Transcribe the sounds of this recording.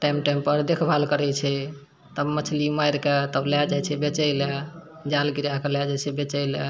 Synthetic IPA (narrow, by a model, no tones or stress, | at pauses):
ʈajmʈajmpəɾd̪ekʰbʱalkəɾɛt͡ʃʰɛ | t̪əbmət͡ʃʰlimajɾket̪əblad͡ʒajt͡ʃʰɛbet͡ʃəɪle | d͡ʒalɡiɾakəlɛd͡ʒat͡ʃʰɛbet͡ʃəɪlə